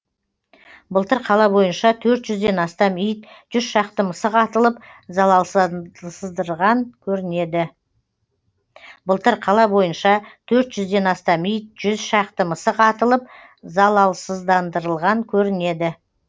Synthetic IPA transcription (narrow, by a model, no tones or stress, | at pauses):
bəlˠt̪əɾqʰɑlˠɑbo̞jənʃɑt̪ʰɵɾt̪ʒ̥ʏzd̪e̞nɑst̪ɑmijt̪ʒ̥ʏzʃɑq̚t̪əməsəqʰɑt̪əlˠəpzɑlˠɑlˠssəzd̪əɾʁɑŋkʲʰɵɾɪne̞d̪ɪ | bəlˠt̪əɾqʰɑlˠɑbo̞jənʃɑt̪ʰɵɾt̪ʒʏzd̪e̞nɑst̪ɑmijt̪̚ʒ̥ʏzʃɑq̚t̪əməsəqʰɑt̪əlˠəp̚ | zɑlˠɑlˠsəzd̪ɑnd̪əɾəlˠʁɑŋkʲʰɵɾɪne̞d̪ɪ